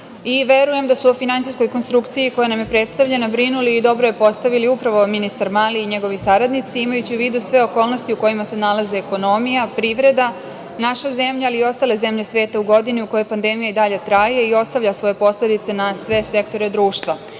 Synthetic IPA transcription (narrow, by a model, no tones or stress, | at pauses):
iʋe̞ɾuje̞md̪asuofinant̪ijsko̞jko̞nst̪ɾukt̪sijiko̞janamjepɾet̪st̪aʋʎenabɾinuliːd̪o̞bɾoje̞po̞st̪aʋiliupɾaʋo̞minist̪aɾmaːliːɲe̞ɡo̞ʋisaɾad̪nit̪siimajut͡ɕiuʋiːd̪usʋe̞o̞ko̞ːlno̞st̪iuko̞jimase̞nalazeːko̞no̞mijapɾiʋɾe̞d̪a | naʃaze̞mʎaaliːo̞st̪ale̞ze̞mʎe̞sʋe̞ːt̪auɡo̞d̪iniuko̞jo̞jpand̪e̞mijaid̪aʎe̞t̪ɾaje̞io̞st̪aʋʎʲasʋo̞je̞po̞sle̞d̪it̪se̞nasʋe̞se̞k̚t̪o̞ɾed̪ɾuːʃt̪ʋa